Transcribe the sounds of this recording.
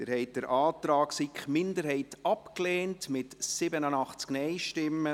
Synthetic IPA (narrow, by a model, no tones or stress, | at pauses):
t̪ɪɾhɛɪt̚dəɾʔɑːtɾɑːksikχmɪndəɾhɛɪtɑpkleːntmɪtsɪbənənɑχt͡sknɛɪʃtɪmːə